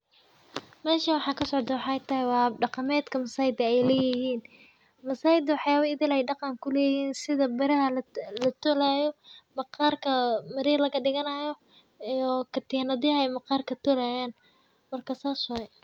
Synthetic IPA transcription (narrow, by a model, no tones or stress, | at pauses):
mɛːʃɐwɑħɑːkʰɐsɔʕd̪ɐwɑħɑɛjt̪ʰɐɦɪwɑːɖɑqɑmɛːd̪kʰɐmɐsaːjɪd̪ɐɛjlɛːjɪhiːn | mɐsaːjɪd̪ɪwɑħjaːβɐɪðɪlɛjɖɑqɑŋkʰʊlɛːjhiːnsɪðɐbɐɾɐɦɐlɐt̪ʰɔlaːjɔmɑqɑːrkʰɐmɐɾiːrlɐɣɐɖɪɣɐnɐjɔ | ɔkʰɐt̪inɐðhɐɛjmɐqɑːrkʰɐt̪ʰɔlaːjaːn | mɐrkʰɐsaːsʊɛ